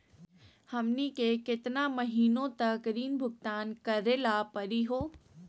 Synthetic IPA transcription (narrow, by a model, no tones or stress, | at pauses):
hɐmnikeːkɪt̪ɪnamɐɦiːnõt̪ɐkɾiːnbʱʊɡ̚t̪aːnkɐɾelapɐɾiɦoː